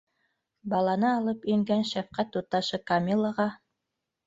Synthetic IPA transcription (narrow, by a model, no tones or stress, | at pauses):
bɑlˠɑnɤɑlˠɤpĭŋɡænʃæfqæt̪ːut̪ːɑʃɤkamʲilˠːəʁɑ